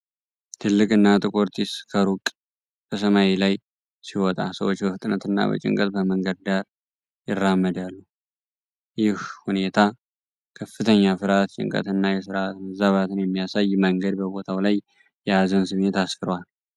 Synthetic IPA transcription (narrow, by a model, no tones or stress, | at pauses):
t̪ʰɨlːɨkʼɨnːat̪ʼɨkʼoɾt̪ʰiskʰəɾukʼ | b̥əsəmailaj | siwɔt̪ʼa̰səwot͡ʃːbəft̪ʼɨnət̪ɨnːa̰bə̰t͡ʃʼɪ̰ŋkʼət̪̚bəməŋɡəd̪̚d̪aɾ | jɪrːamːəd̪alːu | jɪhhune̞t̪ʰa | kʰəfːɨt̪ʰəɲːafɨɾat̪t͡ʃʼɪ̰ŋkʼə̰t̪ɨnːajɛsɨɾat̪məzaβat̪ʰɨnjɛmːijasajməŋɡəd̪bəbo̞t̪ʰawlaj | jɛazɨnsɨmet̪asfɨɾwal